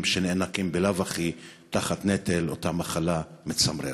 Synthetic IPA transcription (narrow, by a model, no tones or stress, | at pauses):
mʃenenakimbelavaχi | t̪aχatnetelotamaχalamet͡samɾḛ